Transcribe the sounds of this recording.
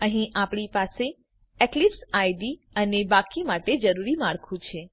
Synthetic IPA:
əɦĩʔapɳ̃ipase | eklipsajɖi | ənebakimaʈed͡ʒəɾuɾimaɭkʰũt͡ʃʰe

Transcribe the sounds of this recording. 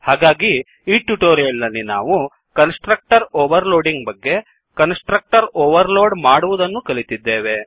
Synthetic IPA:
haːɡaːɡi | iːʈuʈoːɾijɐlːɐnːina̰ːʋu | kɐnsʈɾɐk̚ʈɐɾoːʋɐɾloːɖiŋɡbɐɡːe̞ | kɐnsʈɾɐk̚ʈɐɾoːʋɐɾloːɖmaːɽuʋud̪ɐnːukɐlit̪id̪ːeːʋe̞

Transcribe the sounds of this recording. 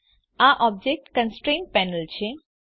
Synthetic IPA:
aʔɔb̚d͡ʒek̚ʈkə̃nsʈɾẽnpɛnəlt͡ɕʰe

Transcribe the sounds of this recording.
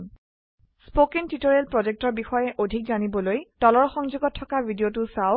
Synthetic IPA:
spokintitoɹɛlpɹɔzek̚tɔɹbixɔjɛʔodʱikzanibɔlojtɔlɔɹxɔŋzuɡɔtʰːɔkabʱidiotʊsaʊ

